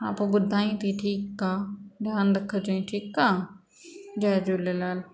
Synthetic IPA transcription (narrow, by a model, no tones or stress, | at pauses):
aːpubʊd̪ʱaːĩːt̪ʰiʈʰiːkːaːɖjaːnd̪ɐkʰːət͡ʃoĩʈʰiːkːaː | d͡ʒɛːd͡ʒulelaːl